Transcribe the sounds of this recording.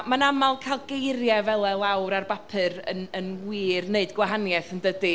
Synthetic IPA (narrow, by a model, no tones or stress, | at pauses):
manamalˠkʰajlˠɡejɾjɛvɛlˠɛlˠawɾarbapʰɨɾənənwiːrneɨdɡwaɦanjɛθəndədi